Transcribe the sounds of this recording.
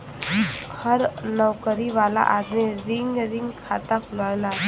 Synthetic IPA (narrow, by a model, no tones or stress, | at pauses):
həɾnɔwkəɾiʋaːla̰ʔaːd̪miɾɪ̃ŋɡɾɪ̃ŋɡkʰaːt̪aklaːjla